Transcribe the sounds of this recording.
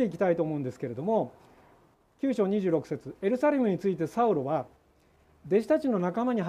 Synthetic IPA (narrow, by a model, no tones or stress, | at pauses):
eikʲi̥t̪ait̪o̞ːmo̞ɯ̃nd̪esɨ̥ke̞ɾe̞d̪o̞mo̞ | kʲɨːɕo̞ːɲ̟iʑɨːɾo̞kɯ̟̥set͡sɨe̞ɾɯ̟saɾʲe̞mɯ̟ɲ̟it͡sɨit̪e̞saɯ̟ɾo̞βa | d̪e̞ɕi̥t̪at͡ɕino̞nakamaɲ̟iɦ